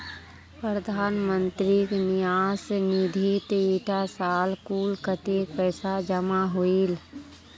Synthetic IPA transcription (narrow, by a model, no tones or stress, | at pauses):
pɾəd̪ʱaːnmə̃nt̪ɾiknijaːsnid̪ʱit̪iʈʰasaːlkuːlkət̪epɛːsad͡ʒəmaɦoil